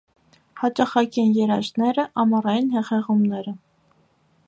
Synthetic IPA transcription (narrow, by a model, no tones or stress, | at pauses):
hɑt͡ʃʼɑχɑkinjɛɾɑʃnɛɾəʔɑmɑrɑjinhɛʁɛʁumnɛɾə